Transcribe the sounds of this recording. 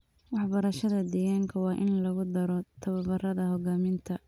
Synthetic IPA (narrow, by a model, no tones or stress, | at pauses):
wɑħbɐɾɐʃɐðɐd̪ɛːɣaːŋkʰɐwɑːʔɪnlɐɣʊd̪ɐɾɔt̪ʰɐβɐbɐrɐðɐɦɔɣaːmɪnt̪ʰɐ